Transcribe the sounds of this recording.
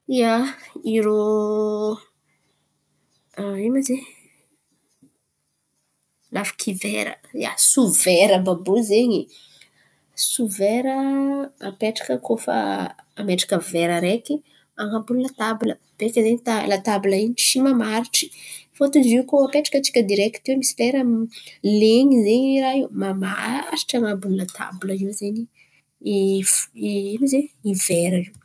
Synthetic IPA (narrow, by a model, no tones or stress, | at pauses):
iaiɾo | aimaze | lafi̥kʰivḛɾə̰a̰suveɾəbabuzeɲi | suveɾəapeʈ͡ʂḁkəkofa̰ːmeʈ͡ʂḁkʲəveɾəɾeki | aŋabulunət̪abulə | b̥ekʲəzeɲit̪alat̪abulaiɲʃimamaɾiʈ͡ʂi̥fot̪uziwkoapeʈ͡ʂḁkət͡si̥kʲəd̪iɾɛki̥t̪ewmisi̥veɾəmleɲizeɲiɾaiwmamaɾiʈ͡ʂaŋabulunət̪ʰa̰buləiuzeɲi | mizeɲiveɾəiw